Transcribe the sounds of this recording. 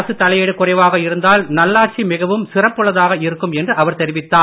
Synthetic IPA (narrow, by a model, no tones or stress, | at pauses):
sɯt̪ːɐlɐɪjɛɽɯkːʊrɐɪʋaːɣɐɪɾɯnd̪aːlnɐlːaːʈ̚t͡ʃimɪɣɐʋɯmsɪrɐpːɯɭɐðaːɣɐɪɾɯkːɯmɛndrɯʔɐʋɐɾt̪ɛɾɪʋɪt̪ːaː